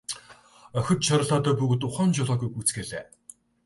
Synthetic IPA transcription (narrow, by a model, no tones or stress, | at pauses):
œxʲɵ̆t̪ʃaɾə̆ɮaːt̪œːpuɣ̆t̪ʊχɔːnt͡ɕʊɮɔːɡuːɡut͡sɡeːɮḛː